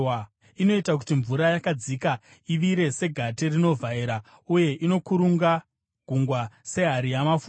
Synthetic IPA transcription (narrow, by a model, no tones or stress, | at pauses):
ino̞itak̬u̥tiɱvuɾajakad͡zika | iʋiɾe̞se̞ɡʱaterino̞vaiɾa | uje̞ʔino̞kuɾuŋɡa | ɡ̥ʱuŋɡwase̞ɦaɾijamaf